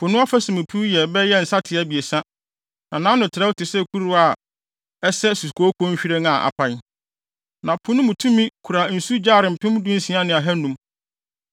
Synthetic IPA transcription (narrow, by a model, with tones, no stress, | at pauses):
pʰʊ˨nʊ̃˦a˦fæ˦sĩ˨mũ˨pʰu˦jɛ˨bɛ˦jɛ˦n̩˨sa˦tʰɪ˨ɛ˦bi˨e˨sã˦ | nã˨nã˦nʊ̃˨tʰɪ˨ɾɛ˦wʊ˦tʰɪ˨sɛ˦kʰu˦ɾu˦a˨ | ɛ˦sɛ˦su˨kʰo˨˦o˦kʰɔ˦ɲ̩˦ɕᶣi˦ɾe˦nã˨ʔa̰˨pʰã˨n˦ | nã˨pʰʊ˨˦nʊ̃˦mũ˨tʰũ˦mĩ˦kʰu˨ɾa˨n̩˨su˦d͡ʑaː˦˨ɾɪ̃˨m̩˨pʰɪ̃˦m̃˦dũ˦n̩˦si˨˦ã˦nɪ̃˨a˨ɦɛ˦nũ˨˦m